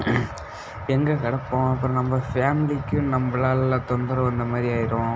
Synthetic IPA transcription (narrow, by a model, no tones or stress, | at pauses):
ɛŋɡɐkɐɽɐpːõːɐpːɯɾɐ̃nɐmbɐfaːmɪlikːʊ̃nɐmbɐɭaːllɐt̪ɔnd̪ɐɾɐ̃ɛnd̪ɐmaːd̪ɾiaːjɪɾõː